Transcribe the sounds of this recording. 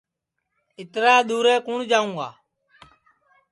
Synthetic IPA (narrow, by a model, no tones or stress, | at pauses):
ɪt̪ɾaːɗ̪uːɾeːkuːɳd͡ʒaːũːɡa̰ː